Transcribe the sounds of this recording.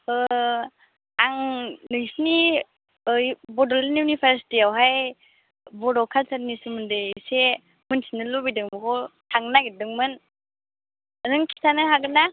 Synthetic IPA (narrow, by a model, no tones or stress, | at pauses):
ɯ | aŋnɯsni | jbɔdɔlnijunipʰaɾsi̥tiawɦaj | bɔdɔkʰalsʰadnisɯmɯndɯse | mɯntʰinɯlɔbidɯŋmɯkʰɔtʰaŋnaɡidɯŋmɯn | ənɯŋkʰi̥sanɯɦaɡɯna